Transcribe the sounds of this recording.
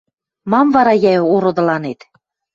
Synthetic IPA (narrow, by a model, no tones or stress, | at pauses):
mɑmvɑɾɑjæjoɾŏd̪ɤ̆lɑnet̪